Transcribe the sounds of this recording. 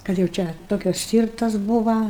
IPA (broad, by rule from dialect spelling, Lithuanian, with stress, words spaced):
kɐt jɛʊ ˈt͡ʃʲɛ ˈtoːkʲɛs ˈsʲtʲiːrtɐs ˈbuːʋɐ